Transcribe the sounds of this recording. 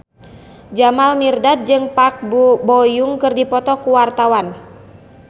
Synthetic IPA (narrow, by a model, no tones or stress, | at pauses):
d͡ʒamalmirdat̪̚d͡ʒɨŋpak̚bɔjuŋkɨrdipɔt̪ɔkuwart̪awan